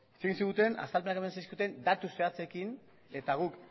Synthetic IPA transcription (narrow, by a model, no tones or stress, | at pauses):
eseɣinsiɣut̪e̞na̰st̪alpe̞nakemansajsiut̪e̞nd̪at̪use̞at͡se̞kin | e̞t̪aɣ̞uk